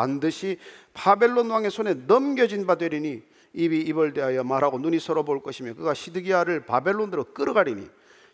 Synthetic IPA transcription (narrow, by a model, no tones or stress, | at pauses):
andɯɕʰipabe̞ɭːonwaŋe̞sʰone̞nʌmɡjʌd͡ʑinbadwe̞ɾini | ibiːbʌɭdeɦajʌmaɾɦaɡonuɲisʰʌɾʌboɭk͈ʌɕʰimjʌkɯɡaɕʰidɯɡiaɾɯɭpabe̞ɭːondɯɾok͈ɯɾɯɡaɾiɲḭ